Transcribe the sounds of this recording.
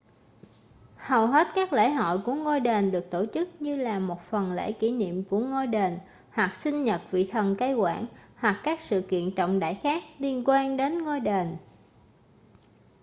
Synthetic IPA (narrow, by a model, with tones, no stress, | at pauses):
hə˨˩wɦe˦˥t̚kaː˦˥k̚lḛ˧˥ɦɔ̰˧˨jku˧˩əŋo˧jɗe˨˩nɗɨ˨˩ək̚t̪o˧˩t͡ɕɨ˦˥k̚ɲɨ˧laː˨˩mo˨˩t̚fə˨˩nlḛ˧˥ki˧˩nḭ˧˨əmku˧˩əŋo˧jɗe˨˩n | hwa˨˩k̚sï˧ŋ̟ɲə˨˩t̚vḭ˧˨t̪ʰə˨˩nkaː˧jkwa̰ː˧˥nhwa˨˩kːaː˦˥k̚sɨ̰˧˨kḭ˧˨ənt͡ɕɔ̰˧˨wŋ͡mɗa̰ː˧˨jxaː˦˥k̚li˧ənkwaː˧nɗe˨˦nŋo˧jɗe˨˩n